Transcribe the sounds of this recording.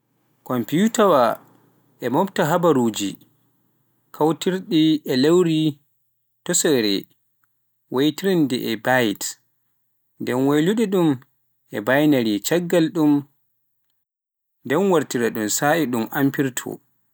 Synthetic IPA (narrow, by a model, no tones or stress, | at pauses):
kɔmpiutawa | ʔɛmɔptaɦabaɾuːd͡ʒi | kʰawtiɾɗiɛlewɾi | tɔsɔɾɛ̰ | wʔajtiɾindɛ̰ʔɛbajt | ndɛnwajluɗiɗum | ʔɛ̰bajnaɾit͡ʃaɡːalɗum | ndɛnwaɾtiɾaɗumsaʔiɗumʔampiɾtʰɔ̰